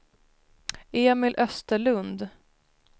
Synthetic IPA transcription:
eːmɪlʔœst̪əɭɵnd̪

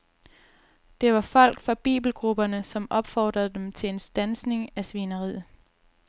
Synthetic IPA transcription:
d̥e̝ʋɑ̈fɒ̽l̰ɡ̥fʁɑ̈b̥ḭːb̥l̩ɡ̥ʁub̥ɐnəsɒ̽mɒ̽b̥fɒ̰ːd̥ʁɐðˠd̥emt͡sʰe̝le̝nsd̥ænsne̝ŋæsʋinɐʁið̰̩ˠ

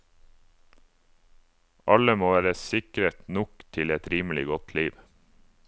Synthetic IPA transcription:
ʔɑləmoːʋæːɾəsɪkɾət̪nʊkt̪ʰɪlɛt̪ɾiːml̩ɪɡɔt̪ʰliːʋ

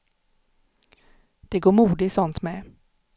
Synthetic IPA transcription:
d̪̥ɛɡoːɾmuːd̪ɪsɔnt̪mɛ

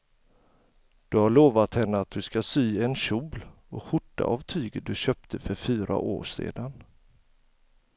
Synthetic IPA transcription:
d̪̥ɵhaɭoːvat̪hɛnːəat̪̚d̪ɵskasyːɛnɕuːbl | ɔkɧʊʈːa̰ʔavt̪ʰyːɡəd̪ɵɕœːpt̪ʰəfœɾfyːɾʔa̰ʔo̰ːʂḛːd̪an

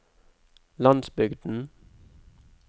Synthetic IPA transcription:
lɑnsbʏɡd̪n̩

